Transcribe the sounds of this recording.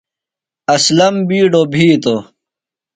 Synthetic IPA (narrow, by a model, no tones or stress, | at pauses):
ɐslɐmbiːɖobʱiːt̪o